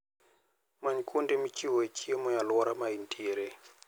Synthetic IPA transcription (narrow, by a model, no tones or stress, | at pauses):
maɲikʰundɛmit͡ʃiɦɔet͡ʃʰiemɔjalɔɾamaintʰʼiːɾɛ